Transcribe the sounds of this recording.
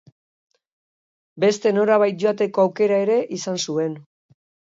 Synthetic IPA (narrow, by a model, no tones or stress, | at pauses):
be̞st̪e̞no̞ɾaβ̞ajt̪̚ʝo̞at̪e̞ko̞awke̞ɾae̞ɾe̞ʔisansue̞n